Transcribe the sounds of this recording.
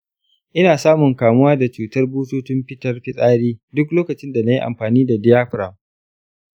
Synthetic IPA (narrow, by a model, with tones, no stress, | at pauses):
ʔɪ˦naː˨saː˦mʊ˨ŋkaː˨mʊ˦waː˦da˨t͡ʃuː˨tɐ˦rbuː˦toː˦t͡ʃɪ˦mɸɪ˦tɐ˦rɸɪ˦sʼaː˦ɽiː˦dʊ˦kloː˦kɐ˨t͡ʃɪ˦nda˨na˦ji˦ʔa̰˨mɸaː˨niː˦da˨dɪ˦jaː˦ɸɾa˨m